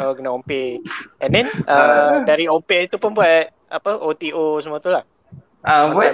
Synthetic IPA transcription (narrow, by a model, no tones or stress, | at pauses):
okənaompeʔɛndɛnədaɾiompeit̪upʊnbuat̪̚ | apəʔot̪iʔosəmuat̪ulah | əbua